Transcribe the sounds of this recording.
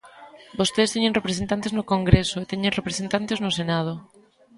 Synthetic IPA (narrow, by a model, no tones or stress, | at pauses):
bost̪eðst̪eɲẽŋrepɾesẽnt̪ant̪eznʊkoŋɡɾesoet̪eɲẽnrepɾesent̪ant̪eznosenað̞o